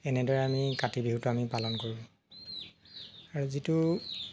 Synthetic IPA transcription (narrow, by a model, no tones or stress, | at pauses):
ɛnɛdɔɹɛamikatibiɦutuamipalɔnkoɹibɔ | aɹuzitu